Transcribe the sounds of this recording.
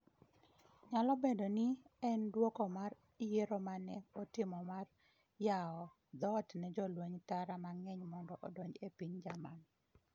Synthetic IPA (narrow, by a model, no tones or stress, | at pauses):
ɲalɔbedoniɛndwokɔmar | ijeɾomanɛɔtɪmɔmar | jaɔ | d̪ɔtnɛd͡ʒɔlweɲtaɾamaŋɛɲmɔndɔʔɔdɔɲd͡ʒepiɲd͡ʒaman